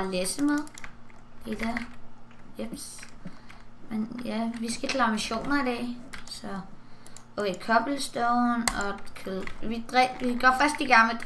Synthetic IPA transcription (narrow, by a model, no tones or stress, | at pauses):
lesəmeðˠd̥ed̥æ | jeb̥s | menjæʋisɡ̥ækʰlɑ̈miɕo̝̰ːnɐid̥ɛ̰sɒ̥̽ | ɔʋekʰɒ̽b̥l̩sd̥ɔʊnɒ̽kʰˠʋid̥ʁɛiɡ̥ɒfɶɐsd̥d̥iɡ̥ɑ̈ŋmləd̥